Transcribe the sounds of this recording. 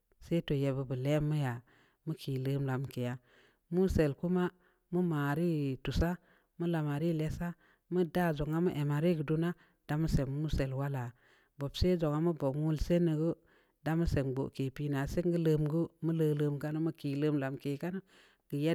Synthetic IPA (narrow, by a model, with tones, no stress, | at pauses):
se˦to˨je˨bə˨bə˨le˦mːu˦ja˨ | mu˦kʰi˨lə˦mla˨mke˨ja˦ | mu˦se˨lku˦ma˦ | mu˦maː˨ɾi˦tu˨sa˦ | mu˦la˨ma˨ɾi˦˨le˦sa˦ | mu˦da˦˨zo˨ŋa˦mə˦ʔe˨ma˨ɾi˦ɡə˨du˦na˦ | d̥a˦mu˦se˨mmːu˦se˨lwa˦la˨ | bo˨bse˦d͡ʒo˨ŋa˦mu˦bo˨ŋu˦lse˦nə˨ɡu˦ | da˦mu˦se˨ɡ͡bo̰˨ke˨pi˦na˨se˦ŋɡə˦lə˦mɡu˦mu˦lə˦lə˦mka˦na˦mu˦ki˨lə˦mla˨mke˨ka˦na˦ | ɡ̥ə˨je˦